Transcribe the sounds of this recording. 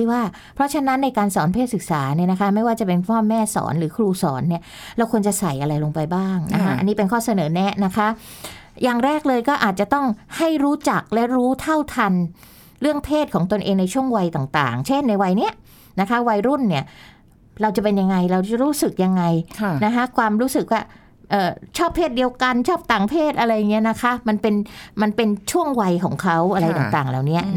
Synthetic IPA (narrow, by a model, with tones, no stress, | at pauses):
iː˥˩waː˥˩ | pʰɾɔ˦˥t͡ɕʰa˧na˦˥nːa˧jkaː˧nsɔː˩˦npʰeː˥˩t̪̚sɯ˨˩k̚sa̰ː˩˦ni˥˩na˦˥kʰa˦˥ma˥˩jwaː˥˩t͡ɕa˨˩pe˧npʰɔː˥˩mːɛː˥˩sɔ̰ː˩˦nɾɯː˩˦kʰɾuː˧sɔ̰ː˩˦nːi˥˩ɐ | ɾa˧wkʰu˧ənt͡ɕa˨˩sa˨˩jʔa˧ɾa˧jloː˧ŋpa˧jbaː˥˩ŋna̰˦˥kʰa˦˥ʔa̰˧nːi˦˥pe˧nkʰɔː˥˩sa˧nɤː˩˦nɛ˦˥na˦˥kʰa˦˥jaː˨˩ŋɾɛː˥˩k̚lɤː˧jkɔː˥˩ʔaː˨˩t̪̚t͡ɕa˨˩t̪ɔ˥˩ŋha˥˩jɾuː˦˥t͡ɕa˨˩k̚lɛ˦˥ɾuː˦˥t̪ʰa˥˩wt̪ʰa˧n | ɾɯ˥˩əŋpʰeː˥˩t̪̚kʰɔː˩˦ŋt̪o˧nʔeː˧ŋna˧jt͡ɕʰu˥˩əŋwa˧jt̪aː˨˩ŋt̪a̰ː˨˩ŋt͡ɕʰe˥˩nːa˧jwa˧jni˦˥ɐ | na˦˥kʰa˦˥wa˧jɾu˥˩nːi˥˩ɐ | ɾa˧wt͡ɕa˨˩pe˧nja˧ŋːa˧jɾa˧wt͡ɕa˨˩ɾuː˦˥sɯ˨˩k̚ja˧ŋːa˧jʰna˦˥kʰa˦˥kʰwaː˧mɾuː˦˥sɯ˨˩k̚waː˥˩ | ʔɤː˨˩t͡ɕʰɔː˥˩pʰːeː˥˩t̪̚di˧əwka˧nt͡ɕʰɔː˥˩p̚t̪aː˨˩ŋpʰeː˥˩t̪̚ʔa˧ɾa˧jːa˨˩ŋːi˦˥ɐna˦˥kʰa˦˥ma˧npe˧nma˧npe˧nt͡ɕʰu˥˩əŋwa˧jkʰɔ̰ː˩˦ŋkʰa˦˥wʔa˧ɾa˧jt̪aː˨˩t̪aː˨˩ŋlɛː˨˩wni˦˥ɐ